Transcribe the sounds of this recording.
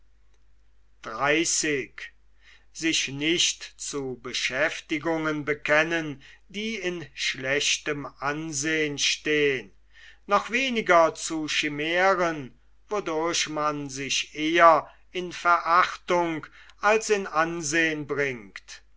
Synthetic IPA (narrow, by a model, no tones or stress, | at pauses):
d̥ʁaɪsɪk | z̥ɪʃnɪʃtt͡subəʃɛftɪɡʊŋənbəkɛnəndiːɪnʃlɛʃtəmʔanzeːənʃteːənː | ɔχv̥eːnɪɡɐt͡suʃɪmeːʁən | vodʊɐɕmanzɪʃeːɐ | ɪnfɛɐʔaχtʊŋkalsɪnanzeːənbʁɪŋkt